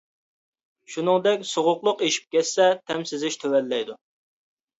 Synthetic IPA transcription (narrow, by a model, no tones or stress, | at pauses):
ʃunɨŋd̪ɛkʲsoʁʊqlˠʊqeʃi̥p̚kʲɛsːɛt̪ʰɛmsɪzɪʃt̪ʰøwɛlːɛjd̪u